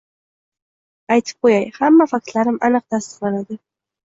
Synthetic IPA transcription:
ajt̪ʰɨ̥p̚qʰojajhamːafak̚t̪laɾɪmɑnɨq̚t̪ʰast̪ə̥qlanad̪ɪ

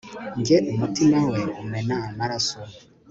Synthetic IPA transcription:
ŋɡeʔumutinaŋweumenamaɾaso

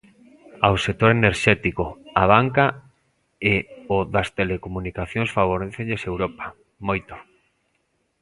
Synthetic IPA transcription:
awsek̚t̪oɾeneɾʃɛt̪ikoaβ̞aŋka | eoðast̪elekomunikaθjõŋsfaβ̞oɾeθeʎesewɾopḁ | mojt̪o̥

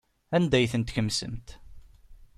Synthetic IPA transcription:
ænd̪æjθənt̪çəmsə̰mt̪

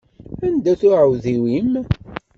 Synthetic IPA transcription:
ænd̪æθʊʕəwðiwim

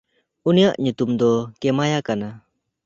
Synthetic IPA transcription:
unijaʔɲut̪umd̪ɔkɛmajakana

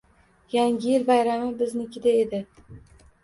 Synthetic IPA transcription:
jaŋʲɪjɪlbajɾamɪbɪznɪkʲʰɪd̪aed̪ɪ

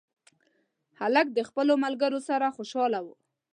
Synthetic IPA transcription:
halak̚d̪əxpəlomalɡaɾosaɾaxoʃɑlawu

